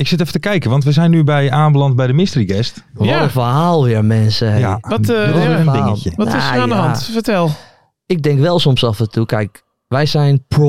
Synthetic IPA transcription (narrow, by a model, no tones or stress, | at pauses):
ɪksɪtɛfətəkɛjkəʋɑntʋəzɛjnːybɛjaːmbəlɑnt̚bɛjdəmɪstəriɡɛst | ʋɔləfəɹɦaːlˠʋɪɹmɛnsəɦejtdɪaːŋəlˠjəʋɔtɪsandəɦɑntfətɛlˠ | ɪk̚dɪŋkʋɛlˠsomsafəntukɛjk | ʋɛjsɛjnpo